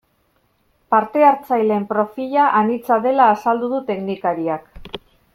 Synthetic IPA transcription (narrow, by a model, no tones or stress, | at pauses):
paɾt̪e̞aɾt͡sajle̞mpɾo̞fiʎaʔanit͡saðe̞laːsald̪uðut̪e̞knikaɾiak